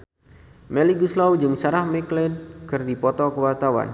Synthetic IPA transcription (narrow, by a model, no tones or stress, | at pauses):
mɛliɡuslawd͡ʒɨŋsaɾahmɛklɛnkɨrdipɔt̪ɔkəwart̪awa̰n